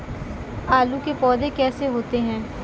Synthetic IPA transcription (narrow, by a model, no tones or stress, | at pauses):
aːlukepɔːd̪ekɛːseɦoːt̪eɦɛ̃ː